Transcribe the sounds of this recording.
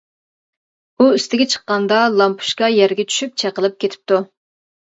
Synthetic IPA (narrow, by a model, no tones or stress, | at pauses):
uyst̪ɪɡʲɛt͡ʃʰə̥qːɑnd̪ɑlˠɑmpʰu̥ʃkɑjɛɾɡʲɛt͡ʃʰy̥ʃyp̚t͡ʃʰɛqəlˠɨp̚kʲet̪ʰɪ̥p̚t̪u